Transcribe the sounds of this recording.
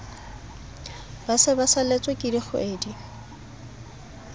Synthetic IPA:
basɪbasalet͡sʼwekʼɪdiχʊ̰ʔeːdi

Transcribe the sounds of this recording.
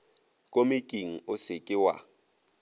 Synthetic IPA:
kʼomɪkʼiŋ̩ʊsɪkʼɪwa̰

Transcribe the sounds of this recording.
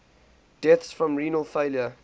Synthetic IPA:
d̥ɛθsfɹɔ̃mɹiːnəlˠfeɪljə

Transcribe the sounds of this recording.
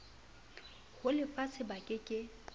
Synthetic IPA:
ɣʊlɪfasʰɪbakʼɪkʼɪ

